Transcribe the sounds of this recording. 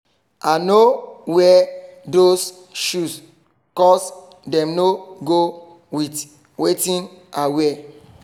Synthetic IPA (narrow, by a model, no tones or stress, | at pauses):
anowɛdos | ʃus | kɔs | dɛ̃mnoɡo | wit | wetĩnawɛ